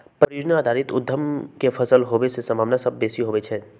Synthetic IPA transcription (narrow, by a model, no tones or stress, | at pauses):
pɾəɾjoːd͡ʒnaaːd̪ʱaːɾɪt̪ʊd̪ʱːəmkefʰɐsəlɦoːʋesesɐmaːbnasɐb̚ːeːsiɦoːʋet͡ʃʰɛː